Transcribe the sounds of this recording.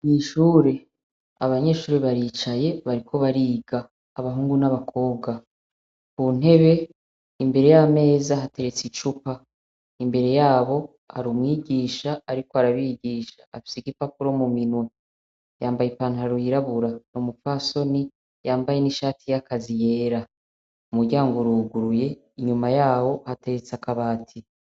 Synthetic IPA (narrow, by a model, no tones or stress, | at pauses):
ɲiʃuːɾe̞ | aβaɲe̞ʃuːɾeβaɾit͡ʃaje̞βaɾikʰo̞βaɾiːɡaː | βaɦuːŋɡunaβakʰo̞ːb̚ɡa | kun̥e̞βe̞ | imbe̞ɾe̞jame̞ːzaɦate̞ɾe̞t͡sit͡ʃupa | imbe̞ɾe̞jaːβo̞ | a̰ɾumŋiːɟiːʃaːɾikoaɾaβiɟiːʃḁafi̥siɡipapuɾo̞muminwe | jaːmbajepaːnhaɾuiɾaβuɾanomufaso̞ni | jaːmbaje̞niʃaːtʰijakazije̞ːɾa | umudɟaːŋɡoɾuɡuɾuje̞ | iɲumajaːβo̞hate̞ɾet͡sakaβaːtʰi